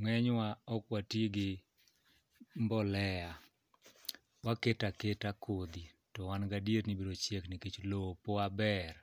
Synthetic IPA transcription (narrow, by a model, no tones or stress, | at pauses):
ŋɛɲwaɔkwatiɡɪ | mbɔlɛja | waketaketakʰod̪i | tɔwanɡadieɾnibiɾot͡ʃjekniket͡ʃlopoabɛr